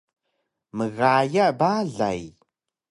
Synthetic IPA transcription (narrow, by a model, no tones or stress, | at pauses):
mɨɣaːjɐbaːɮa̰j